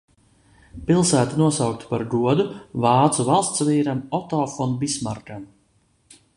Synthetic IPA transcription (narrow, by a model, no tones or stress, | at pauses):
pilˠsæːt̪anuɔsawk̚t̪u̥paɾɡuɔd̪uvɑːt̪suvalˠst̪sviːɾamɔt̪ɔfɔnbismaɾɡam